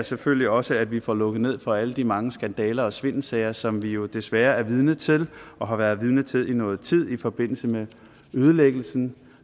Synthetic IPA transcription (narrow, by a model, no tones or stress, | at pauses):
seføl̰liɒ̽səæd̥ʋifɒlɔ̽ɡ̥ð̩ˠne̝ð̰ˠfɒ̽æləd̥imɑ̈ŋəsɡ̥ænd̥ɛːlɐɒ̽sʋe̝n̰sɛɪɐsɒ̽mʋijo̝d̥e̝sʋæːɐæɐʋið̞ˠnət͡sʰe̝lɒ̽ɦɑ̈ʋæːɐð̞ˠʋiðˠnət͡sʰe̝lˠʔinɔ̽ːð̩ˠt͡sʰið̞̰ˠifɒ̽b̥e̝n̰l̩səme | øːð̞ˠəleɡ̥l̩sn̩